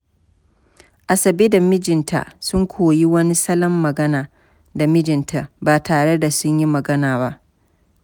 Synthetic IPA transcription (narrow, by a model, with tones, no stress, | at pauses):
ʔa˨sɐ˨beː˦da˨mɪ˦d͡ʒɪ˨ntʰa̰˨sʊ˦ŋkʷʰoː˨ji˦wɐ˦ni˦sɐ˦lɐ˦mːɐ˨ɡɐ˦naː˨ | da˨mɪ˦d͡ʒɪ˨ntʰa˨baː˨tʰaː˨ɽe˦da˨sʊ˦ɲji˦mɐ˨ɡɐ˦naː˨βa˦ʔ